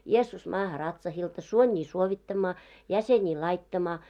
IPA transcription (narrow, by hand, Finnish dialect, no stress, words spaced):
jeːsːus mɑːhɑ rɑtsɑhiltɑ suonʲiː suoʋitːɑmːɑː jæseniː lɑitːɑmɑː